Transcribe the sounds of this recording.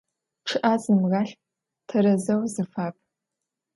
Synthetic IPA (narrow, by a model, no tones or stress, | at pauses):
ʈ͡ʂʰɨʔaːzmʁaːɬ | tʰɐɾɐzɐwzɨfaːp̚ʰʼ